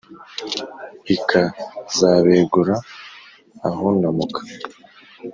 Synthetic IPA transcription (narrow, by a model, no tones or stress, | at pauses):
ikʰazaːβeːɡuɾaː | honamukʰḁ